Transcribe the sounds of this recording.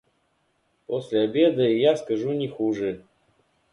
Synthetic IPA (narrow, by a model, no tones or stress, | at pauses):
posʲlʲɪɐbʲed̪ɨjaskɐʐunʲɪxuʐɨ